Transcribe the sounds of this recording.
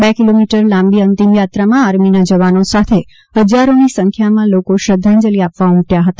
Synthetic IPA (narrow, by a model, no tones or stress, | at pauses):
bekilomiʈəɾlãmbiənt̪imjat̪ɾamãaɾminad͡ʒəʋanosat̪ʰe | ɦəd͡ʒaɾonisəŋkʰjamãlokoʃɾəd̪ʱːand͡ʒəliapʋaũʈjaɦət̪a